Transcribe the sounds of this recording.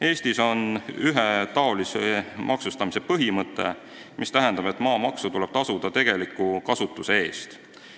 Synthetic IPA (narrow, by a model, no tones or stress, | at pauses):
e̞ːsʲt̪iso̞nyɦet̪ɑo̞lisemʔɑksust̪ɑmisepɤɦimɤt̪ːˑe̞̰ | mist̪æɦe̞nd̪̥ɑbe̞t̪ːˑmɑːmɑksut̪ule̞b̥̚t̪ɑsud̪̥ɑt̪e̞ɡ̥e̞likːˑukɑsut̪ːˑuse̞e̞ːst̪